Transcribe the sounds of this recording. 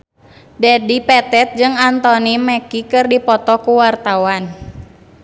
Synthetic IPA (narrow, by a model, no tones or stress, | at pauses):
dɛdipɛt̪ɛt̪̚d͡ʒɨŋant̪ɔnimɛkikɨrdipɔt̪ɔkuwart̪awan